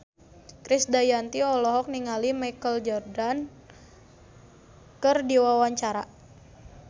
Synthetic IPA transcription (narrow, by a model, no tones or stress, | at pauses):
kɾisdajant̪iɔlɔɦɔk̚niŋalimajkəld͡ʒɔrdan | kərdiwawaɲt͡ʃaɾa